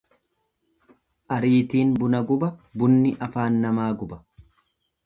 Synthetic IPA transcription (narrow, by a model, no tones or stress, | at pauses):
ʔɐɾiːt̪iːnbʊnɐɡʊbɐbʊnːɪʔɐfaːnːɐmaːɡʊbɐ̥